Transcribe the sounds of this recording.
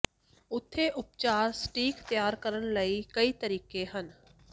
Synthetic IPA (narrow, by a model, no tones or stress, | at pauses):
ʊt̪ʰːeʔʊpt͡ʃaːɾsʈiːkt̪jaːɾkəɾəɽ̃ləikɐit̪əɾiːkeɦən